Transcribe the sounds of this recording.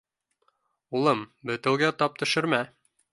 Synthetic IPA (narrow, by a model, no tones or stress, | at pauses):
ulˠɤmbɵ̆t̪ɘ̆wɡæt̪ɑp̚t̪ɵ̆ʃɘ̆ɾmæ